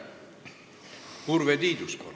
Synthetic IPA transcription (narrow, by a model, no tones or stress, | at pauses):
huɾvɛd̪iːd̪uskʼɔ̰